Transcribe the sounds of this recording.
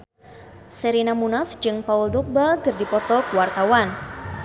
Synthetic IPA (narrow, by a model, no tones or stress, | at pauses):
sɛɾinamunafd͡ʒɨŋpauldɔk̚bakɨrdipɔt̪ɔkəwart̪awan